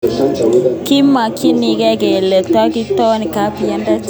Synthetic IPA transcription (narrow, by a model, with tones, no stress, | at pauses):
kɪ˦ma˨kʰɪ˦ni˨˦kɛ˦ke˨le˨kta˦kɪ˦tɔ˦nɪ˨ka˨˦pjɛ˦nda˦t͡ʃ